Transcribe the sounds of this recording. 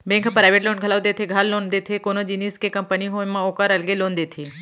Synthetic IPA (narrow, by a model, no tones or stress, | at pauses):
bẽŋkpɾaːjʋeʈloːnɡʱəlaʋd̪et̪ʰeɡʱalːoːnd̪et̪ʰekonod͡ʒiniskekɐmpəniɦomːãokaɾɐlɡeloːnd̪eːt̪ʰiː